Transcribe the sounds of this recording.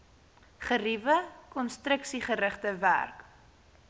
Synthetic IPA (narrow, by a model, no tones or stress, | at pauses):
χərivəkɔnstrəksiχəɾəχtəvæ̰rk